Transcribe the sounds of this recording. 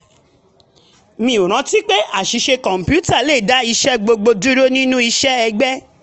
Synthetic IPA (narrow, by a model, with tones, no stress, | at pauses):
mĩ˧˨o˨ɾ̃ã˨˧˦ti˦k͡pe˦a˦˨ʃi˨˧˦ʃe˧kɔ̃˨m̩˨pju˦ta˦˨le˦˨da˨˦i˧ʃɛ˦ɡ͡bo˧ɡ͡bo˧du˦ɾo˦nĩ˦nũ˦i˧ʃɛ˦ɛ˧ɡ͡bɛ˦